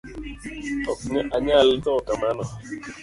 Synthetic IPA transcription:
ɔkɲɛʔaɲaltɔkamanɔ

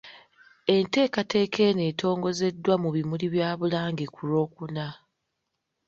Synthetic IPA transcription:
e̞nte̞ːkate̞ːkʰe̞ːne̞ːtʰo̞ːŋɡo̞ze̞dːwamuβimuliβjaːβulaːŋɡekʰulo̞ːkuna

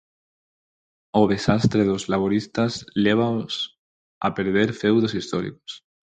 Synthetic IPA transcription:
oðesast̪ɾeðozlaβ̞oɾist̪azleβ̞aos | a̰peɾð̞eɾfewðosist̪ɔɾḭko̥s

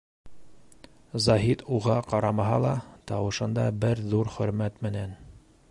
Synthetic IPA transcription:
zɑɦit̪uʁɑqɑɾɑmɑɦɑlˠɑt̪ɑwɤ̆ʃɤ̆nd̪ɑbɘɾðuɾχɵ̆ɾmæt̪mɘ̆næn

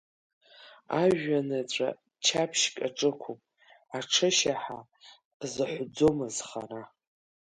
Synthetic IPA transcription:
aʒanɨt͡ɕʷʼa̰ | t͡ʃʰapʰʃkʼaʈ͡ʂʼɨkʷʰupʼ | aʈ͡ʂʰɨʃaħa | zɨħʷʊd͡zomɨzχa̰ra

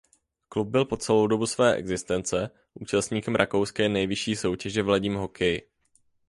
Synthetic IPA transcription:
klub̚bɪlpo̞t͡sɛlowdo̞busvɛːʔɛ̰ɡzɪst̪ɛnt͡sɛ | ʔuːt͡ʃast̪ɲiːkɛmɾʔakowskɛːnɛjvɪʃiːso̞wcɛʒɛvlaɟɪmɦo̞kʰɛj

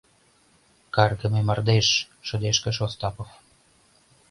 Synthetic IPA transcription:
kɑrɡə̆memɑrd̪eʃ | ʃə̆d̪eʃkə̆ʃost̪ɑpof

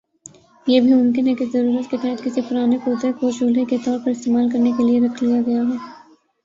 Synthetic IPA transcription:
jeːbʱimʊmkɪnɦɛkezɐɾuːɾət̪keʈɛ̃ːɦt̪kɪsipʊɾaːnekoːd̪ekoʃuːleket̪ɔːɾpɐɾɪst̪eːmaːlkɐɾnekelieɾɐkʰlijaɡɐjaɦɛː

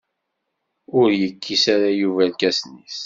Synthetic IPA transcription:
ʊɾjəkʰːisaɾajuvælkæsnis

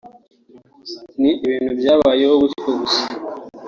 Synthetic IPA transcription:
niʔiβiːnhubjaːβaːjehoɡuskoɡusḁ

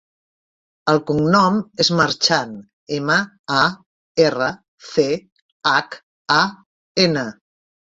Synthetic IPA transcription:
əlˠkuŋnɔmezməɾt͡ʃan | emə | a | erə | θe | ak | a | enə

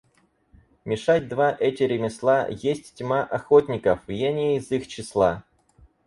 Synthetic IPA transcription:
mʲɪʂatʲd̪vaʔɛtʲɪɾʲɪmʲɪslˠajesʲtʲtʲmaʔɐxotʲnʲɪkəfvjenʲɪjəizixt͡ɕɪslˠa

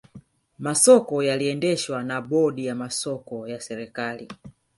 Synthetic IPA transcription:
masɔkɔjaliɛndɛʃwanaɓɔɗijamasɔkɔjasɛɾɛkali

